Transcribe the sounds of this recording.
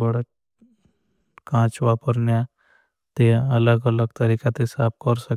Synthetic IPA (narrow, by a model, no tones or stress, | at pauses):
bəɽa | kãːt͡ʃʋaːpəɾnja | t̪eɐləɡələɡ̚t̪ɐɾiːkat̪esaːp̚kəɾsək